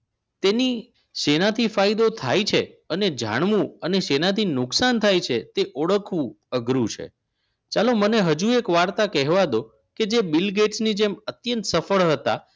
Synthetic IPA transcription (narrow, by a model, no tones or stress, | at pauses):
t̪eni | ʃenat̪ʰifaid̪ot̪ʰa̰jt͡ʃʰeəned͡ʒʱa̰ɳ̃ʋũəneʃenat̪inʊksant̪ʰajt͡ʃʰet̪eʔoɭəkʰʋũ | əɡɾut͡ʃʰḛ | t͡ʃaloməneɦəd͡ʒuekʋaɾt̪akɛɦʋad̪o | ked͡ʒebilɡeʈsnid͡ʒemət̪jənt̪səfəɭɦət̪a̰